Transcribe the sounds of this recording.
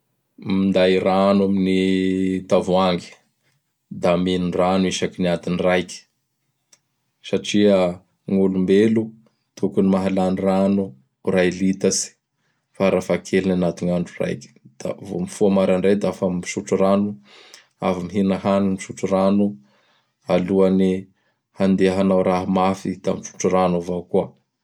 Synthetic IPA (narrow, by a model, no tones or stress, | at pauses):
mind̪ajɾanuaminit̪avuaŋɡi̥ | d̪aminunranuiʃakiniat̪inrajkʲi̥ | saʈ͡ʂiə | ŋulumbelu | t̪ʰukunimaɦalaniranu | railit̪asi̥ | faɾafakʰelinanat̪uŋaɳɖ͡ʐura̰jkʲd̪̥a̰vo̰mifuamaɾanɳɖ͡ʐet̪afammiʃuʈ͡ʂuɾanu | a̰famiɦinaɦaniniʃuʈ͡ʂuranu | aluani | hand̪eɦanawɾaɦamafit̪amiʃu̥ʈ͡ʂuranuvakuə